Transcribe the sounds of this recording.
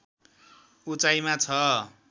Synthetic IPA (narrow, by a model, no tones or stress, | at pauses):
ut͡sajmat͡sʰʌ